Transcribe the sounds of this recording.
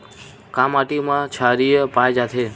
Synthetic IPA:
kamaʈimãt͡ʃʰaɾijəpajd͡ʒat̪ʰe

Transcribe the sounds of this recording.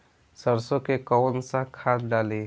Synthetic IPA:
səɾsõkekɔwnsãkʰad̪ɖaːle

